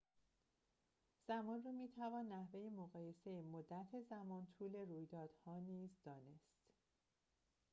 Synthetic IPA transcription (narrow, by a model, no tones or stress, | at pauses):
z̥æmɒːnruːmiːt̪ʰævɒːnːæhve̞jemoɣɒːje̞sejemod̪ːæt̪ʰezæmɒːnt̪ʰuːle̞ruːjd̪ɒːd̪̥hɒːniːzd̪ɒːne̞st̪